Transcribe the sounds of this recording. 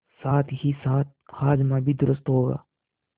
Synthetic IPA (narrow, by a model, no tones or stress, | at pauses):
saːt̪ʰɦisaːt̪̚xaːd͡ʒmãːbʱid̪ʊɾʊst̪ɦoːɡa̰ː